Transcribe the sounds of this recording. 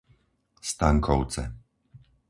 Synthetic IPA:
st̪aŋkʰɔʊt͡sɛ̰

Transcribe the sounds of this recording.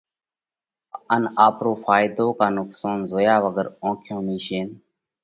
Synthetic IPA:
ənaːpɾoːfaːɪd̪oːkaːnʊksaːnzoːjaːʋəɡəɾõːkʰjõːmĩːʃeːn

